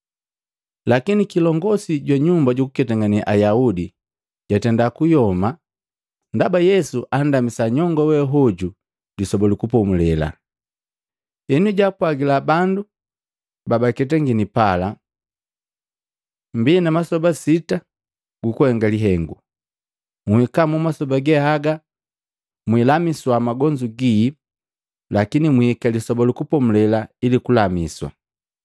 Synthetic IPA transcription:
lakinikilɔŋɡɔsiɟwaɲumbaɟukukɛtaŋaniʔajaudi | ɟ̥atɛndakujɔma | ndabajɛsuʔandamisaɲɔŋɡɔwɛɦɔɟu | disɔbɔlikupɔmulɛla̰ | ɛnuɟapwaɡilabandu | babakɛtaŋɡinipala | mbinamasɔbasita | ɡukuhɛŋɡaliɦɛŋɡu | muhikamumasɔbaɡɛhaɡa | mwilamiswamaɡɔɲd͡ʒuɡiː | lakinimuhikalisɔbɔlukupɔmulɛlailikulamiswa̰

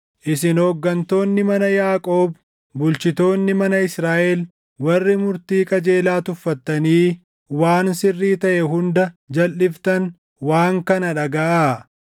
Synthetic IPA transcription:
ʔɪsɪnɔɡːɐnt̪o̞ːnːɪmɐnɐjaːkʼoːb | bʊlt͡ʃɪt̪o̞ːnːɪmɐnɐɪsɾaːʔɛl | wɐrːɪmʊɾt̪iːkʼɐd͡ʒe̞ːlaːt̪ʊfːɐt̪ːɐniː | waːnsɪrːiːt̪ɐʔɛɦʊnd̪ɐd͡ʒɐlːɪft̪ɐn | waːŋkɐnɐᶑɐɡɐʔaː

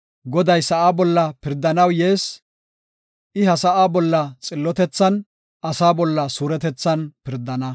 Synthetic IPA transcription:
ɡɔd̪ɐjsɐʔaːbɔlːɐpɪɾd̪ɐnɐwjeːs | ʔɪɦɐsɐʔaːbɔlːɐt͡sʼɪlːɔt̪ɛt͡sːɐn | ɐsaːbɔlːɐsuːɾɛt̪ɛt͡sːɐnpɪɾd̪ɐnɐ

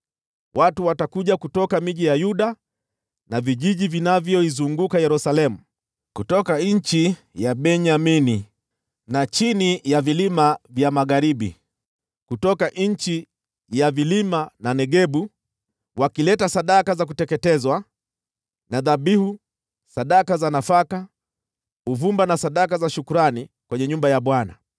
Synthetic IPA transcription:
watuwatakuʄakutɔkamiʄijajuɗa | naviʄiʄivinavjɔizuŋɡukajɛɾusalɛmu | kutɔkaɲ̩t͡ʃi | jaɓɛɲamini | nat͡ʃinijavilimavjamaɣaɾiɓḭ | kutɔkaʔɲ̩t͡ʃi | javilimananɛɠɛɓu | wakilɛtasaɗakazak̬utɛkɛtɛzwa | naðaɓihu | saɗakazanafaka | uvumbanasaɗakazaʃukuɾanikwɛɲɛɲumbajaɓwana̰

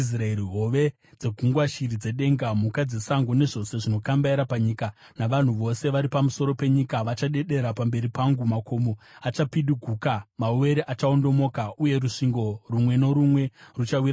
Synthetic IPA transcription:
sraeɾiɦoʋe̞ | d͡ze̞ɡʱuŋɡwaʃirid͡ze̞ɗe̞ːŋɡamukad͡ze̞saŋɡone̞ʐo̞se̞ʐino̞kambaiɾapaɲiːka | naʋan̤uʋo̞se̞ʋaɾipamuso̞ɾo̞pe̞ɲikaʋat͡ʃaɗe̞ɗe̞ɾapambe̞ɾipaŋɡumako̞moat͡ʃapiɗiɡʱuːkamauwe̞ɾeʔat͡ʃao̞ndo̞mo̞ːkauje̞ɾuʂiŋɡo̞rumwe̞no̞ɾumwe̞rut͡ʃawiɾa

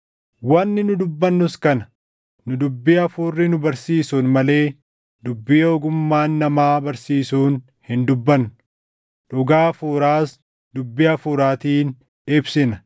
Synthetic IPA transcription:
wɐnːɪnʊd̪ʊbːɐnːʊskɐnɐ̥ | nʊd̪ʊbːɪɐfuːrːɪnʊbɐɾsiːsuːnmɐle̞ː | d̪ʊbːɪoɔɡʊmːaːnːɐmaːbɐɾsiːsuːn | hɪnd̪ʊbːɐnːʊ | ᶑʊɡaːfuːɾaːs | d̪ʊbːɪɐfuːɾaːt̪iːn | ɪbsɪnɐ̥

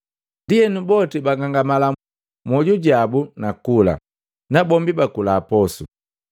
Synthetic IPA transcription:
ndijɛnubɔtibaŋɡaŋɡamala | mɔɟuɟabunakula̰ | nabɔmbibakulaːpɔsṵ

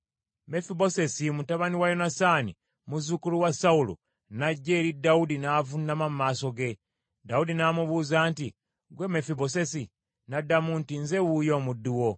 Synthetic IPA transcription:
me̞fibo̞se̞simutaβaniwajo̞nasani | muzukuluwasaulṵ | naɟːe̞ːɾidaudinaːvunːamammaːso̞ɡe̞ | daudinaːmuβuːzaːnti | ɡwe̞me̞fiβo̞se̞si | nadamuntinze̞wujo̞ːmudːuwo̞

